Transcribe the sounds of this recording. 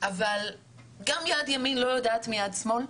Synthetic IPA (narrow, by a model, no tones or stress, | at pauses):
ʔaval | ɡamjad̪jaminlojod̪aːt̪mijad̪smon